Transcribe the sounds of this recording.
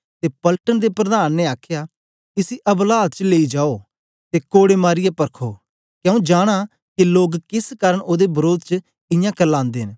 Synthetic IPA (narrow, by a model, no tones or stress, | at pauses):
t̪eːpɐlʈənd̪epɾɐd̪aːnːeaːkʰjaː | ɪsiʔɐblaːd̪̚t͡ʃleːid͡ʒaːoː | t̪eːkoːɽemaːɾɪjepɐɾkʰo̰ː | kjɛ̃ũːd͡ʒaːɽ̃a | kiloːɡkɪskaːɾəɳʔoːd̪ebəɾoːd̪t͡ʃə | ɪ̃jãkɐɾlãːnd̪eːɦn